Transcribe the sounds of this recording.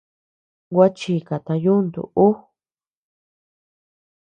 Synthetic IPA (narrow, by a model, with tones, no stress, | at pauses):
ɡʷa˦t͡ʃi˧ka˨t̪ã˧ju˦nd̪ṵ˨u˦